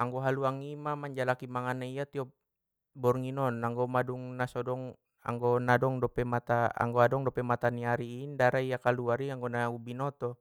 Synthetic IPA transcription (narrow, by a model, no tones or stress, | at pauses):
aŋɡɔɦaluaŋimamaɲd͡ʒalakimaŋanaijat̪iɔp̚ | bɔrŋinɔnaŋɡɔmaduŋnasɔdɔŋ | a̰ŋɡɔnadɔŋdɔpɛmat̪aa̰ŋɡɔadɔŋdɔpɛmat̪aniaɾiːndaɾaijakaluaɾiaŋɡɔnaubinɔt̪ɔ